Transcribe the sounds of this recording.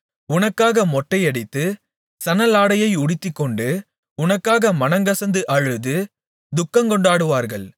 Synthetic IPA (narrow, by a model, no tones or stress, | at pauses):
ʊnɐkːaːɣɐmɔʈːɐɪɐɽɪt̪ːɯ | sɐnɐlaːɽɐjɐɪʊɽɪt̪ːɪkːɔɳɖɯ | ʊnɐkːaːɣɐmɐnɐŋɡɐsɐnd̪ɯʔɐɻɯðɯ | d̪ʊkːɐŋkɔɳɖaːɽɯʋaːɾɣɐɭ